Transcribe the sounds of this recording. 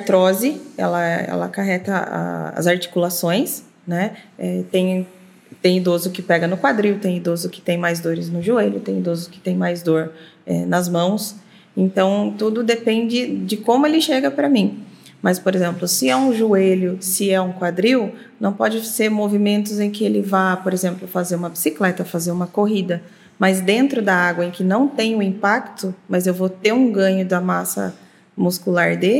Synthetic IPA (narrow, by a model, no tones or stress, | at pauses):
at̪ɾɔzɪɛ̰lɐɛɛ̰lɐ̰kaɦɛt̪ɐa̰ɐ̰zaɾt͡ʃi̥kulasõj̃s | nɛɛt̪ẽj̃ | t̪ẽj̃id̪ozʊkɪpɛɡɐnʊkwad̪ɾiwʊt̪ẽj̃id̪ozʊkɪ̥t̪ẽj̃majzd̪oɾɪznʊʒueʎʊt̪ẽj̃id̪ozʊkɪ̥t̪ẽj̃majzd̪oɾɛ̰nɐzmɐ̃w̃s | ẽnt̪ɐ̃w̃t̪ud̪ʊd̪epẽnd͡ʒɪd͡ʒɪkõmʊelɪʃeɡɐpɾɐmĩmɐspoɾezẽmplʊsɪɛũʒueʎʊsɪɛũkwad̪ɾiw | nɐ̃w̃pɔd͡ʒɪseɾmovimẽnt̪ʊzẽj̃kɪelɪvapoɾezẽmplʊfazeɾũmɐbisiklɛt̪ɐfazeɾũmɐkoɦid̪ɐ | mɐzd̪ẽnt̪ɾʊd̪ɐaɡwɐẽkɪnɐ̃w̃t̪ẽj̃ʊĩpakt̪ʊmɐzewvot̪eɾũɡɐ̃ɲʊd̪ɐmasɐ̰ | muskulaɾd̪e